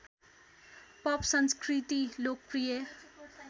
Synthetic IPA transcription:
pʌpsʌnskrit̪ilok̚prijʌ

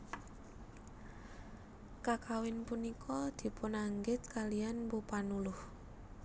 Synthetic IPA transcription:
kakawɪnpunikʰɔd̪̥i̤pʊnaŋɡɪt̪̚kalijanbupanulʊh

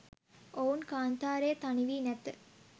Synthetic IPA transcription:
oːnkaːnt̪aːɾeːt̪ɐniʋiːnɛt̪ːɨ

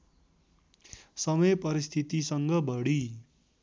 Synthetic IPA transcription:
sʌmʌjpʌɾist̪ʰit̪isʌŋɡʌbʌɽi

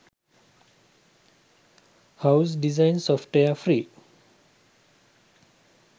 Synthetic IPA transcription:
haʊs̬ɖizãɪnsɔfʈeafɾiː

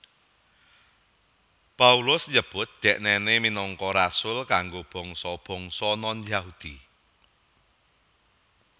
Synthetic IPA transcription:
paulʊsɲəb̥ʊt̪̚d̪̥ɛ̤ʔnɛneminɔŋkɔɾasʊlkaŋɡob̥ɔ̤ŋsɔb̥ɔ̤ŋsɔnɔnjaɦud̪̥i

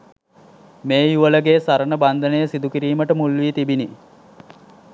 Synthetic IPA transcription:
meːjuʋələɡeːsaɾənəband̪ənəjəsid̪ukiɾiːməʈəmulʋiːt̪ibini

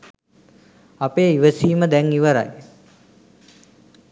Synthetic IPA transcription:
apeːiʋəsiːməd̪ɛŋiʋəɾa̰j

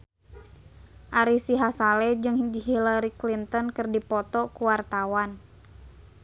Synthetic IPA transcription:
ʔaɾisiɦasalɛd͡ʒɨŋd͡ʒiɦilaɾiklint̪ɔnkɨrdipɔt̪ɔkuwart̪awan

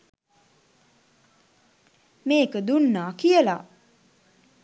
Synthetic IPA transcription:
meːkəd̪unːaːkijəla

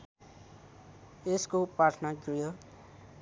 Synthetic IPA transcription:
eskopɾaʈʰnaɡɾujʌ

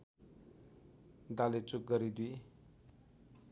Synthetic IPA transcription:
d̪alet͡suk̚ɡʌɾid̪wi

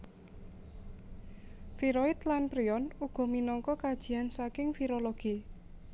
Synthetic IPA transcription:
fiɾoit̪lanpɾiɔnuɡ̥ɔ̤minɔŋkɔkad̥ʒ̥i̤ansakɪŋfiɾoloɡ̥i

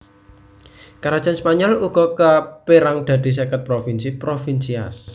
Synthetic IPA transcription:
kaɾad̥d͡ʒ̥anspaɲɔluɡ̥ɔ̤kapeɾaŋd̪̥a̤d̪̥i̤s̬ekət̪̚pɾofinsipɾofinsias

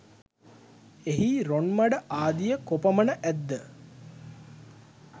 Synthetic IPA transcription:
eɦiɾonmaɖəʔaːd̪ijəkopɐmənəʔæd̪ːə

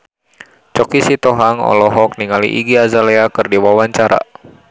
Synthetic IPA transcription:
t͡ʃɔkisit̪ɔɦaŋɔ̰lɔɦɔk̚niŋalḭʔiɡiazalɛakɨrdiwawaɲt͡ʃaɾa̰

